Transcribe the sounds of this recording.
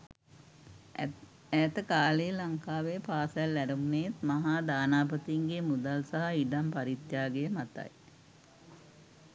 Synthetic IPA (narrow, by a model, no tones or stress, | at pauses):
æːt̪əkaːlelaŋkaːʋepaːslːæɾumnet̪maɦaːd̪aːnaːpət̪iiŋɡemud̪alsaɦaiɖampaɾit̪jaːɡejəmat̪a̰j